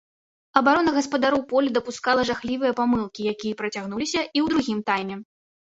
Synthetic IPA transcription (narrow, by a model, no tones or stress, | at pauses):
ɐbaɾɔnɐɣɐspɐd̪aɾɔwpɔlʲd̪ɐpuskalˠɐʐaxlʲivɨjɐpamɨlˠkʲijakʲijɐpɾɐt͡sʲaɣnulʲisʲɐʔiwd̪ɾuɣʲimt̪ajmʲɛ